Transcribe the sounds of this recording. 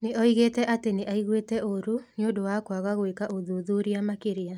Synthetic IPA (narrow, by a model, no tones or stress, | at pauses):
neʔɔiɣetɛʔateneʔaiɣwetɛʔoɾuniodowakwaɣaɣwekaʔoðuðuɾiamakeɾea